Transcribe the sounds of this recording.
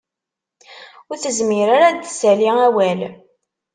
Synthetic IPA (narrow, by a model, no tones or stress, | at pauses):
ʊɾθəzmɪɾaɾad̪sæliæwæl